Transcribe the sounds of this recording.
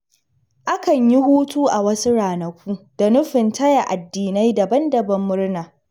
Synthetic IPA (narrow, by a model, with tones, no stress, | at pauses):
ʔa˦kɐ˨ɲji˦huː˦tuː˦ʔa˨wɐ˦su˦ɽaː˨nɐ˨kʷuː˦d̥a˨nʊ˦ɸɪ˨ntɐ˦ja˨ʔa˨dːiː˨na˦jdɐ˨bɐ˦ndɐ˨bɐ˦mːʊ˦rnaː˨